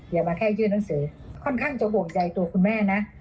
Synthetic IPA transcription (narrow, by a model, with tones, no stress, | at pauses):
di˨˩wmaː˧kʰɛː˥˩t͡ɕɯː˥˩nːa˨˦ŋsɯː˩˦kʰɔ˥˩nkʰaː˥˩ŋt͡ɕa˨˩bo˨˩ŋt͡ɕa˧jt̪u˧ɐkʰu˧nmɛː˥˩na˦˥